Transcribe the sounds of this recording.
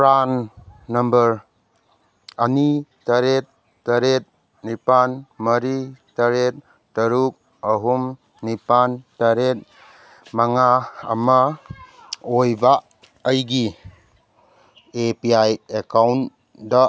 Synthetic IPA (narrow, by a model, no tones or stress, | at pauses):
pɾanːɐmbəɾ | ɐnitɐɾet̪̚ | tɐɾet̪̚ | nipanmɐɾitɐɾet̚ | tɐɾuk̚ | ɐɦum | nipantaɾet̚ | maŋa̰ːma | ojba | əjɡi | epiajekawn | da